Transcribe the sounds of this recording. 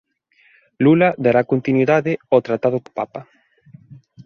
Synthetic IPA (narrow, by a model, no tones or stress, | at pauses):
lulɐd̪aɾakont̪inwiðaðɪot̪ɾat̪aðʊko̥papɐ